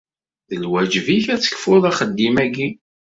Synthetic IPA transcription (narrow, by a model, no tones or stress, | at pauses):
ðəlwæd͡ʒviçæt͡sːə̥kfʊðˤɑχəd̪ːimæɡi